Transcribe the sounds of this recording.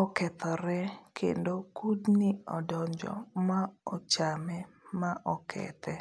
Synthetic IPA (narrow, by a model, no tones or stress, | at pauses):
ɔkɛt̪ɔɾɛkʰḛndokudnɪɔdɔɲd͡ʒɔ̰maɔt͡ʃamɛmaʔɔkʰɛ̰t̪ʰɛ